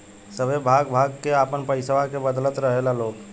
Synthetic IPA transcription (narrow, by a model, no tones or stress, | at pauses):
səbʱebʱaːɡbʱaːɡkeaːpənpəɪsəʋakebəd̪lət̪ɾəɦelaloːɡ